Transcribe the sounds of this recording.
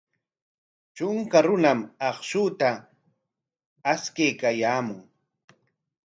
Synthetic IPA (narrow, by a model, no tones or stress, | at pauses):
t͡ʃʊŋkaɾʊnamɑχʃʊt̪a | skejkajaːmʊŋ